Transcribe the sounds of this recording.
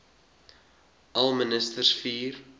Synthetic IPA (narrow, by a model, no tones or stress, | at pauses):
ʔɐlmənɪst̪ərsfiːr